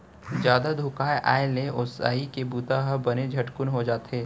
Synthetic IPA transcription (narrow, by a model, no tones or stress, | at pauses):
zjaːd̪ad̪ʱʊkaːjʔa̰ːeleʔosa̰ːikebuːt̪aɦɐbɐned͡ʒʱɐʈkʊnɦod͡ʒaːt̪eː